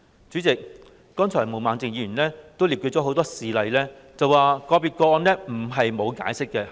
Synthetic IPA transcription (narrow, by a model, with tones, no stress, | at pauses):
t͡ʃyː˨˥t͡sɪ˨k̚ː | ɔː˥nt͡ʃʰɔː˨˩mo˨˩wmaː˨˧nt͡sɪ˨ŋjiː˨˧˩y˨˩nlɛː˥t̪o˥wli˨pky˧t̚t͡ʃɔː˨˥ɦo˨˥wt̪ɔː˥siː˨lɐ˨˧jlɛː˥ | t͡sɐ˨waː˨kɔː˧piː˨t̚kɔː˧ɔː˧nlɛː˥m̩˨˩ɦɐ˨jmo˨˧wka̰ː˨˥jsɪ˥kːɛ˧